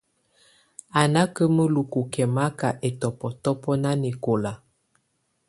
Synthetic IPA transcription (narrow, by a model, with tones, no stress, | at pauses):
a˨na˦kə˦mə˦lu˨ku˨kɛ˨ma˦ka˨ʔe˨tɔ˨pɔ˨tɔ˦pɔ˦na˦ne˨ko˨la˨